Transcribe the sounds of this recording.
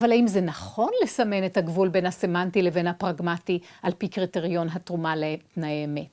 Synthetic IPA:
valaimzenaχo̞nle̞same̞ne̞thaɡvulbe̞nhase̞mantile̞ve̞nhapʁaɡmatiʔalpikʁite̞ʁijo̞nɦatʁumaletnajemet

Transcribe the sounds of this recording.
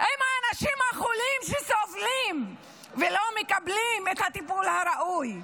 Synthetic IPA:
ʔejmhaːnaʃimhaχulimʃeso̞vlim | velo̞mekablimet̪hat̪ipulhaɾaʔuj

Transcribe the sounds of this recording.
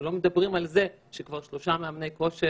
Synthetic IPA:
lo̞med̪abʁimalze̞ | ʃekvaʁʃlo̞ʃameamnejko̞ʃe

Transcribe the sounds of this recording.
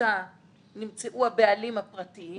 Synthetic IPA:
a | nimt͡seʔuhabealimhapʁati

